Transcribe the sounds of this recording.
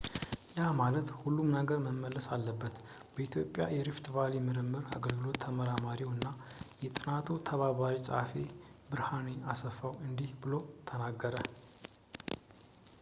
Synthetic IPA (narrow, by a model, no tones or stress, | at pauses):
jamalət̪hulːumnəɡəɾməmːəlːəsalːəbːət̪ | b̥əit̪ʰjo̞pʼja̰jɛɾift̪valimɨɾɨmːɨɾa̰ɡəlɡɨlo̞t̪ʰːəməɾamaɾiwɨnːajɛt̪ʼɨnat̪ʰut̪ʰəβaβaɾisʼa̰fibɨɾhaneasəfːawɨnd̪ihbɨlot̪ʰənaɡːəɾə